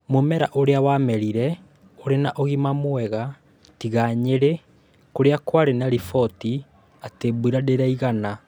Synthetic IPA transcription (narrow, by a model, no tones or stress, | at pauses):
momɛɾa̰ʔoɾeawamɛɾiɾɛ | oɾenaʔoɣimamoɛɣa | tiɣaɲeɾe | koɾeakwaɾenaɾifɔti | atebuiɾadeɾaiɣana